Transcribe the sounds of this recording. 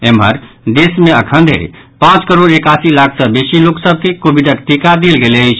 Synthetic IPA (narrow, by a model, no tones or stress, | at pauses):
emɦəɾ | d̪esmeəkʰə̃nd̪ʱḛ | pãt͡ʃkəɾoɽekasilakʰsə̃besiloksəb̚ʱkekobiɖək̚ʈikad̪elɡelet͡ʃʰ